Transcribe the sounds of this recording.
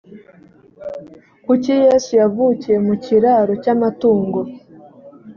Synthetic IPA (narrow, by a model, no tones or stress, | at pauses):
kucijeːsujavucije̞muciɾaɾo̞camatuːŋɡo̞